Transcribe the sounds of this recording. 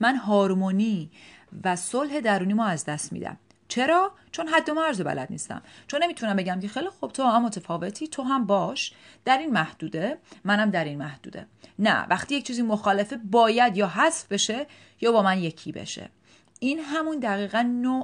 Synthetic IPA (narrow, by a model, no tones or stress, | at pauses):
mænɦɒːɾmoniːvæsolɦe̞d̪æɾuːniːmɔːæzd̪æst̪mḭd̪æ̰m | t͡ʃʰe̞ɾɒː | t͡ʃʰo̞nɦæd̪ːo̞mæɾzobæ̰lʔæ̰d̪̥nḭst̪æ̰mt͡ʃʰonːe̞miːt̪ʰunæmbe̞ɟæmcʰe̞xejlixob̥̚t̪ʰoæmːot̪ʰefɒːve̞t̪ʰiːt̪ʰoɦæmbɒːʃ | d̪̥æɾinmæhd̪̥uːd̪emænæmd̪æɾinmæhd̪ṵːd̪e̞̰ | næ̰væ̰xt̪ije̞c̚t͡ʃʰiːziːmoxɒːle̞febɒːjæd̪jɒːɦæsfbe̞ʃe | jɒːbɒːmænje̞cʰḭbḛʃḛ | inɦæmund̪æɣiːɣænːo